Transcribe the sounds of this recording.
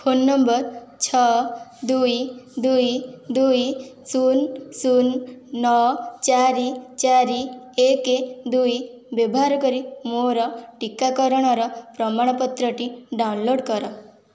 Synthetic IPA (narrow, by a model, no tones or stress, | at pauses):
fʰonːɔmbɔɾt͡ʃʰɔd̪ujd̪ujd̪ujsunsunːɔt͡ʃaɾit͡ʃaɾieked̪uj | bɔbɦaɾkɔɾimoɾɔʈikakɔɾɔɽ̃ɔɾɔpɾɔmaɽ̃ɔpɔt̪ɾɔʈiɖawnloɽkɔɾɔ